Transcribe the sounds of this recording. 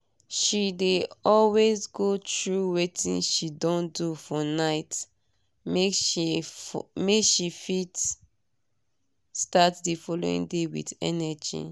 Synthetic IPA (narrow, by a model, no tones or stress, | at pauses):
ʃideɔlwezɡotɹuwetĩnʃidɔ̃ndufɔnaɪt | mek | mekʃifit | statdifɔlo̰ḭ̃ŋdewḭdɛ̰nɛd͡ʒḭ